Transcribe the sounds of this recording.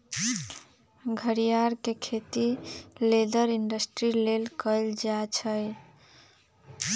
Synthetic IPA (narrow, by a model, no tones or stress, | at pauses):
ɡʱəɾijaɾkekʰet̪iled̪əɾiɳɖəsʈɾilelkəjld͡ʒat͡ʃʰəj